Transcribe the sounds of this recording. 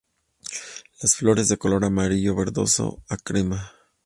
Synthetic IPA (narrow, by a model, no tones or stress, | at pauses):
lasflo̞ɾe̞zðe̞ko̞lo̞ɾamaɾiʝo̞βe̞ɾðo̞̰so̰akɾima